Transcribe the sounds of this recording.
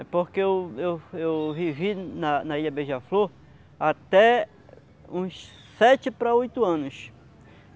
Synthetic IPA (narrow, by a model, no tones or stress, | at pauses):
ɛpoɾkeewewewvivinɐnɐiʎɐbeʒɐfloɾ | at̪ɛ | ũs | sɛt͡ʃɪpɾaojt̪ʊɐ̃nʊs